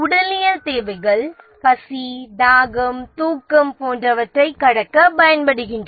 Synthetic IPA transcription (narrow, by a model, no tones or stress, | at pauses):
ʊɽɐlɪjɐt̪eːʋɐɪɣɐɭ | kɐsid̪aːɣɐmt̪uːkːɐmpoːndrɐʋɐʈrɐɪkːɐɽɐkːɐpɐjɐnpɐɽɯɣɪndrɐ